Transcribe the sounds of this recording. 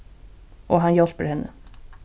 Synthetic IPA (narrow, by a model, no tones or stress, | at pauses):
ʔoːɦɑnjɔlpəɾhɛnːə̰